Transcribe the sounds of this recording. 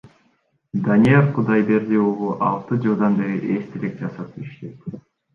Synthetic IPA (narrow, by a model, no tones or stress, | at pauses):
d̪anʲijeɾqʰud̪ɑjbeɾd̪iulˠuʔɑlˠt̪ɯd͡ʒɯlˠd̪ɑnbeɾiʔest̪ʰelek̚d͡ʒɑsɑt̪iʃt̪et̪